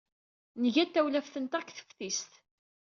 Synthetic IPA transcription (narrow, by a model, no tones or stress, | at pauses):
nəʝæt̪ːæwlæfθənt̪ækθə̥fθist̪